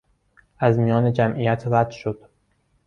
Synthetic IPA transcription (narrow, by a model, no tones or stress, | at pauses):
æzmijɒːned͡ʒæmʔijæt̪ʰɾæd̪ʃod̪̥